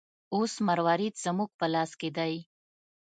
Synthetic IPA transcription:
osmaɾwɑɾit̪z̥əmuɡ̚pəlɑsked̪aj

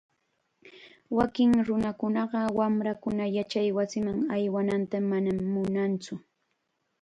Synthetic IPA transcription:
wakɪŋɾʊnakʊnɑɢɑwamɾakʊnajat͡ʃajwasɪmaŋajwanant̪amanamːʊnant͡sʊ

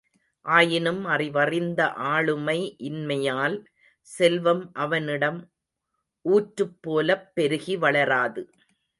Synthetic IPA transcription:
ʔaːjɪnɯmɐrɪʋɐrɪnd̪ɐʔaːɭɯmɐɪʔɪnmɐjaːl | sɛlʋɐmʔɐʋɐnɪɽɐm | ʔuːʈɾɯpːoːlɐpːɛɾɯɣiʋɐɭɐɾaːðɯ

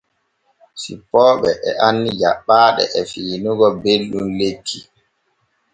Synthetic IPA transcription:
sḭpːɔːɓɛʔɛʔanːid͡ʒaɓːaːɗɛ̰ʔɛfiːnuɡɔbelɗumletʰːi

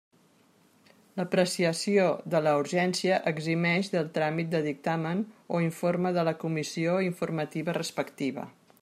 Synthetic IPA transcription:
ləpɾəsiəsioðələuɾʒɛnsiəʔəɡzimɛʃðəlˠt̪ɾamit̪̚d̪əðik̚t̪amənoiɱforməðələkumisioiɱfurmət̪iβərəspəkt̪iβə̰

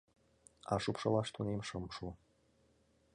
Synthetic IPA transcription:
ɑ̰ʂupʃɤ̆lˠɑʂt̪unemʃɤmʃu

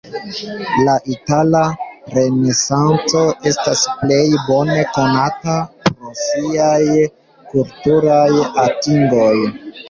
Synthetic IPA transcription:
laʔitalaɾe̞ne̞sant͡so̞ʔe̞stasple̞jbo̞ne̞ko̞natapɾosiaj | kultuɾajatiŋɡo̞j

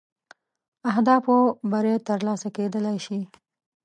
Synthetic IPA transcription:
aɦd̪ɑfobaɾet̪əɾlɑsaked̪əlajʃi

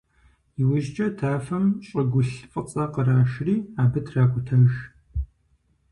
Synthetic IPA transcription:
iwʊʒt͡ʃʼɐtʰaːfɐmɕʼɐɡʷʊɬfʼət͡sʼɐqəraːʃriːaːbɨtʰraːkʷʼʊtʰɐʒ

